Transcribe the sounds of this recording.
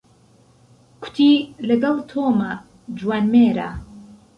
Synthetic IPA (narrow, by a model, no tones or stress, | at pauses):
kʰʊ̥t̪ʰilɐɡɐlˠt̪ʰoːma | d͡ʒuwaːnmeːɾa̰